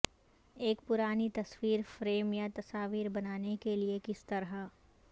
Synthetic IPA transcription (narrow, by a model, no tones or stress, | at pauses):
eːkpʊɾaːnit̪ɐswiːɾfɾeːmjat̪ɐsaːʋiːɾbɐnaːnekeliekɪst̪ɐɾɦa